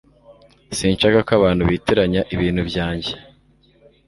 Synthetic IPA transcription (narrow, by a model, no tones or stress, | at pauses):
siːnt͡ʃakakaβaːn̥huβiːtiɾaɲaʔiβiːn̥hubɟaːɲɟe